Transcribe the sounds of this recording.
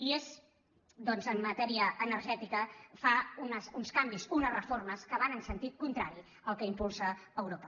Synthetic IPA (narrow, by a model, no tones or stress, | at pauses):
iez | d̪ɔnzəmːət̪ɛɾiəʔːnəɾʒɛt̪ikəfaunəsunskambizunərəforməskəβ̞anənsənt̪it̪̚kunt̪ɾaɾi | əlˠkəimpulˠsəːwɾopə